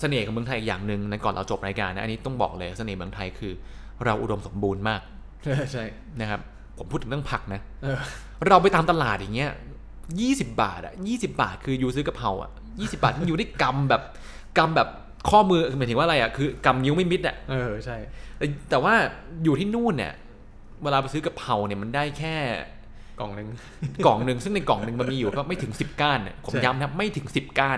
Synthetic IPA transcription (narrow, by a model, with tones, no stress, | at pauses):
sa˧neː˨˩kʰɔː˨˩˦m˧ŋt̪ʰjiː˨˩k̚jaː˨˩ŋnɯ˨˩ŋna˦˥kɔː˨˩nɾa̰˧wt͡ɕo˨˩p̚ɾaː˧jkaː˧nːa˦˥ʔni˦˥t̪ɔ˥˩ŋbɔ̰ː˨˩k̚lɤː˧ja˨˩sa˧neː˨˩mɯ˧əŋt̪ʰa˧jkʰɯː˧ | ɾa˧wʔṵ˨do˧mso˩˦mbuː˧nmaː˥˩k̚ | t͡ɕʰa˥˩jʰa˥˩j | na˦˥kʰa˦˥p̚ʰː | o˩˦mpʰu˥˩t̪ʰːɯ˩˦˥pʰa˨˩k̚na˦˥ | ɤː˧ | ɾa˧wpa˧jt̪aː˧mt̪a˧laː˨˩t̪̚jaː˨˩ŋi˦˥ɐ̰˧˨ | jiː˥˩si˨˩p̚ba̰ː˨˩t̪̚ʔa̰˨˩ʔjiː˥˩si˨˩p̚ba̰ː˨˩t̪̚kʰɯː˧juː˧sɯː˦˥ka˨˩pʰa˧wʔa̰˨˩ʔ | jiː˥˩si˨˩p̚baː˨t̪̚ʰːɯ˧juː˨˩dʰai˥˩ka˧mbɛː˨˩p̚ | ka˧mbɛː˨˩p̚ | kʰɔː˥˩mɯː˧mː˨˦j̪ʰɯ˩˦wa˥˧ɾa˧jʔa˨˩kʰɯː˧ka˧mni˦˥wma˥˩jmi˦˥t̪̚ʔa̰˨˩ʔɤː˧t͡ɕʰa˥˩jt̪ɛː˨˩t̪ɛː˨˩waː˥˩juː˨˩t̪ʰiː˥˩nuː˥˩nːḭ˨˩ | weː˧laː˧pa˧js̬ɯ˦˥ka˨˩pʰa˧wni˧˩ɐma˧ndaː˥˩jkʰɛː˥˩ | kɔ̰˨˩ŋnɯ˧ŋ | kɔː˨˩ŋnɯ˧ŋsɯ˥˩ŋna˧jkɔː˨˩ŋnɯ˧ŋma˧nmiː˧juː˨˩pʰːma˥˩t̪ʰɯ˩˦ŋsi˨˩p̚kaː˥˩nːa̰˨˩pʰo˩˦mjaː˦˥mt̪ʰa˦˥p̚ma˥˩jt̪ʰɯ˩˦ŋsi˨˩p̚kaː˥˩n